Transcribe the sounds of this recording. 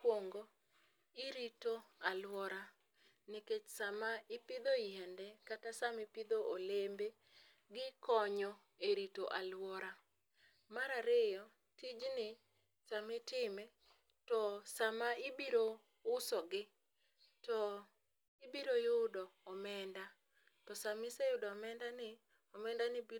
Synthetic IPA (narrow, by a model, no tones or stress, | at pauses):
kwoŋɡo | ɪɾitoalwɔɾa | nɪket͡ʃsamaɪpɪd̪oɪɛndɛkatasamɪpɪd̪oʔolembe | ɡɪkɔɲɔ | eɾitoʔalwɔɾa | maɾaɾɪjɔ | tid͡ʒnɪ | samɪtɪmɛ | tɔsamaɪbiɾo | ʊsɔɡɪ | tɔ | ɪbiɾojʊdɔːmɛnda | tɔsamɪsejʊdɔːmɛndanɪ | ɔmɛndanɪbi